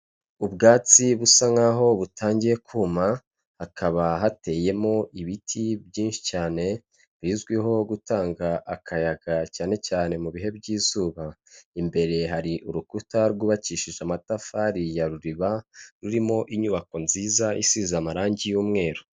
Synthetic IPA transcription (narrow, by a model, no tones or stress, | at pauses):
ubɡaːt͡siβusaŋaɦo̞βutaːɲɟije̞kʰuːma | hakʰaβaɦate̞ːje̞mo̞ʔiβitʰibjiːnʃi̥caːne̞ | biːzɡwiɦo̞ɡutaːŋɡaʔːkʰajaɡ̥acaːne̞caːne̞muβiɦe̞bɟiːzuːβaimbe̞ɾe̞ɦaɾiʔuɾukutaɾɡuːβaciːʃiʒamatafaɾijaɾuɾiβaɾuɾimo̞ʔiɲuβako̞nziːzaʔisiːzamaɾaːɲɟijuːmŋe̞ːɾo